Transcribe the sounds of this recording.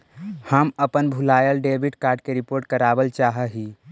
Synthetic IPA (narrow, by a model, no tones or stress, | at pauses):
həməpənbʱulaːjəlɖeːbiʈkaːɾɖ̚keɾipoːɾʈkəɾaːbəlt͡ʃaːɦəɦiː